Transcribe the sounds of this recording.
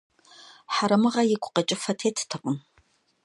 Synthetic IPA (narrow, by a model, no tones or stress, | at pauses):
ħaɾɐmɨʁɐjɪkʷʰʼʊ̥qɐt͡ʃʼɪfɐtʰeːtʰtʰɨqʷʼʊn